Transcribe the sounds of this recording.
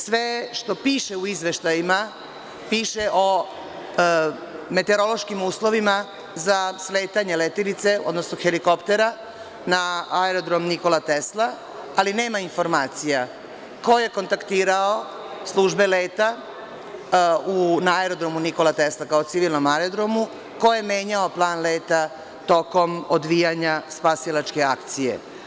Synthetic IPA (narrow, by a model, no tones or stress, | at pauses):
sʋeʃt̪o̞piːʃe̞uizʋe̞ʃt̪ajima | piːʃe̞ʔo̞ | me̞t̪e̞ɾo̞lo̞ʃkimuːslˠo̞ʋima | zasleːt̪aɲelet̪ilit̪se̞od̪nosnoxeliko̞pt̪e̞ɾa | naaeɾo̞d̪ɾo̞mniko̞lat̪eslˠa | aline̞ːmainfo̞ɾmaːt̪sija | ko̞je̞ko̞nt̪akt̪iːɾao̞ | slˠuʒbe̞leːt̪a | unaaeɾo̞d̪ɾo̞muniko̞lat̪eslˠakaot̪siʋilˠno̞maeɾod̪ɾomu | kojeme̞ːɲaoplˠaːnleːt̪a | t̪o̞ko̞mod̪ʋijaɲaspasilˠat͡ʃke̞akt̪sijḛ